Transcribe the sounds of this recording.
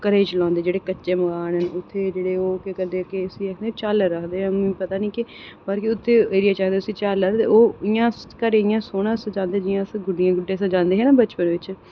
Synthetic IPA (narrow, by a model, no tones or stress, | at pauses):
kəɾeːt͡ʃəlãːnd̪eːd͡ʒeːɽeːkət͡ʃːʃeːməɡaːnɦənʊt̪ʰːeːd͡ʒeːɽeːoːkekəɾd̪eːkɪəsĩːɾəkʰd̪eːt͡ʃaːlɾəkʰd̪eːãmĩpət̪aːnĩːkɪ | bəɾkɪʊt̪ʰːeːeːɾɪjaːt͡ʃaːkd̪eːsĩːt͡ʃaːləd̪t̪ḛoːɪjãːskəɾeɪjãːsoːɽãːsd͡ʒãːnd̪ed͡ʒɪjãːsɡʊɖɪjãːɡʊɖːẽːsãd͡ʒãːnd̪eːɦɛːnaːbət͡ʃpənʋɪt͡ʃ